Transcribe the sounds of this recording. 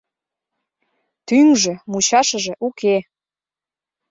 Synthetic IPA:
t̪yŋʒĕmut͡ɕɑʃəʒĕʔuke

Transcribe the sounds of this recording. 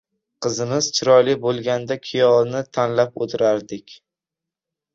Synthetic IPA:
qʰɨzɪmɪz̥t͡ʃʰɪɾɒlɪbolˠɡʲand̪akʲʰɪjɒlˠnɪt̪ʰanlapo̰t̪ʰɪɾaɾd̪ɪkʲ

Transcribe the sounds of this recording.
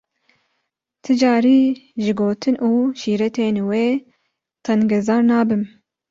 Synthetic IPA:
t̪ʰɨd͡ʒɑːɾiːʒɪɡoːt̪ʰɨnʔuːʃiːɾɛt̪ʰeːnweː | t̪ʰɛnɡɛzɑːɾnɑːbɨm

